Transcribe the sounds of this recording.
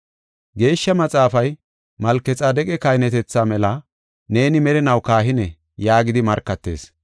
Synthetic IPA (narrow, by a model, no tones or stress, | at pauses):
ɡe̞ːʃːɐmɐt͡sʼaːfɐj | mɐlkːɛt͡sʼaːd̪ɛkʼɛkɐjnɛt̪ɛt͡sːaːmɛlɐ | ne̞ːnɪmɛɾɛnɐwkaːɦɪnɛ | jaːɡɪd̪ɪmɐɾkːɐt̪ːe̞̰ːs